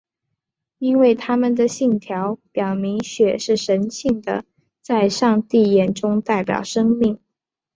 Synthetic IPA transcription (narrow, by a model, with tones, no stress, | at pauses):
i˥nwe˥˩ɪt̪ʰa˥mə˨nd̪ə˨ɕi˥˩ŋt̪ʰjɑ˧˥ʊpjɑ˨˩ʊmi˧˥ŋɕɥɛ˨˩ʂɻ̩˥˩ʂə˧˥nɕi˥˩ŋd̪ə̰˩ | t͡sa˥˧ɪʂɑ˥˧ŋt̪i˥˩jɛ˨˩nʈ͡ʂʊ˥ŋt̪a˥˩ɪpjɑ̰˨˩ʊʂɤ˥ŋmi˥˩ŋ